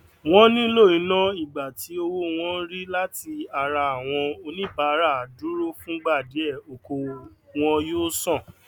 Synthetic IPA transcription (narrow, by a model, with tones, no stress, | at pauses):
w̃ɔ̃˦nĩ˦lo˦˨ĩ˨˦nã˦i˦˨ɡ͡ba˨ti˨˦o˧wo˦w̃ɔ̃˦n̩˦ɾi˦la˦ti˧a˨ɾa˧a˨w̃ɔ̃˧o˧nĩ˦ba˨˦ɾa˦˨a˨du˦ɾo˦fũ˦ɡ͡ba˦˨de˨˦ɛ˦˨o˨ko˧w̃ɔ̃˧joː˦sɔ̃˦˨